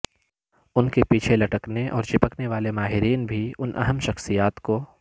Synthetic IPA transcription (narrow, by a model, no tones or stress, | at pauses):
ʊnkepiːt͡ʃʰelɐʈəkneʔɔ̰ːɾt͡ʃɪpəkneʋaːlemaːɦɪɾiːnbʱiʊnʔɐ̰ɦəmʃɐxsijaːt̪ko